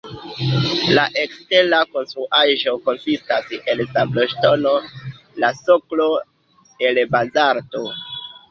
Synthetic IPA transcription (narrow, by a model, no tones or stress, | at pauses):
laʔe̞kstelako̞nstɾuʔaʒo̞ko̞nsistaselsambloʃto̞no̞ | laso̞klo̞ | e̞lbazaɾto